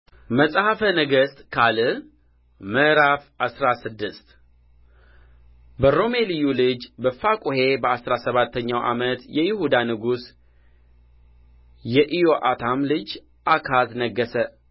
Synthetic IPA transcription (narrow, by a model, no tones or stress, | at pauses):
məsʼhafənəɡəst̪ʼkʰalɨ | məɾafasɾasɨd̪ːɨst̪ | bəɾo̞me̞lijulɨd͡ʒbəfakʷʼuhe̞bəasɾasəβat̪ʰːəɲːawʔa̰mət̪jɛjɪhud̪anɨɡus | jɛʔijo̞ʔat̪ʰamlɨd͡ʒ | ʔakʰaznəɡːəsə